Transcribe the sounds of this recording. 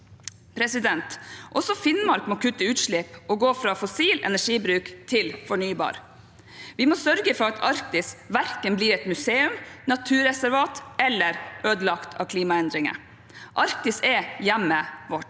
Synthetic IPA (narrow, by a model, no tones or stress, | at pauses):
pʰɾɛsɪd̪ɛnt̪ʔɔsɔfɪnmɑɾkmɔkʰʉt̪ːəʉːt̪ʂɭɪpɔɡoːfɾɑːfɔsiːlɛ̰næʂiːbɾʉːkt̪ʰɪlfɔɳyːbɑ̰ːɾ | ʋɪmɔsœɾɡəfɔɾɑt̪ʰɑɾk̚t̪ɪsʋæɾkənbliːɾɛt̪mʉseːʉmnɑt̪ʰʉːɾɛsæɾʋɑːt̪ʔɛlːəɾʔøːd̪əlɑkt̪ʰɑ̰kʰliːmɑɛnd̪ɾɪŋə̰ | ʔɑɾk̚t̪ɪsɛjæmːəʋɔʈ